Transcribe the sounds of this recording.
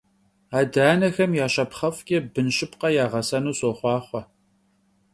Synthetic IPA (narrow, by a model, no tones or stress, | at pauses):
aːdaːnɐxɐmjaːɕɐpχɐfkʲʼebɨnɕɪpqɐjaːʁɐsɐnuːsoːχʷɑːχʷɔ